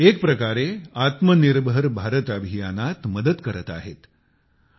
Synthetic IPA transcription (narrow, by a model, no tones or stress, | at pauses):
ek̚pɾəkaɾeat̪məniɾbʱəɾbʱaɾət̪abʱijanat̪məd̪əd̪kəɾət̪a̰ɦḛt̪